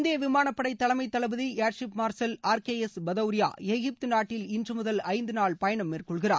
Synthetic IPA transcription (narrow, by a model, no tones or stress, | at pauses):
nd̪ejɐʋɪmaːnɐpːɐɽɐɪt̪ːɐɭɐmɐɪt̪ːɐɭɐbɯðieːɾʂɪpmaːɾsɐlaːɾkeːɛsbɐðɐʋɾɪja̰ːeɣɪp̚t̪ɯnaːʈːɪlɪndrɯmʊðɐlɐɪnd̪ɯnaːɭpɐjɐɳɐmːeːrkɔɭɣɪra̰ː